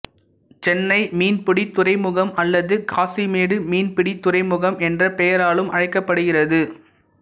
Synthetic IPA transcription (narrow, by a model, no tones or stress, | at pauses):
t͡ʃɛnːɐɪmiːnpʊɽit̪ʊrɐɪmɯɣɐmɐlːɐðɯkaːsimeːɽɯmiːnpɪɽit̪ʊrɐɪmɯɣɐmʔɛndrɐpɛjɐɾaːɭɯmʔɐɻɐɪkːɐpːɐɽɯɣɪrɐðɯ